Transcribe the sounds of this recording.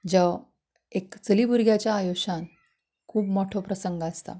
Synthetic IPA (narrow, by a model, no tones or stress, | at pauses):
d͡ʑə | ekt͡səlibuɾɡʱjat͡ɕjaːjoɕan | kʰuːpmɔʈʰopɾəsəŋɡəst̪a̰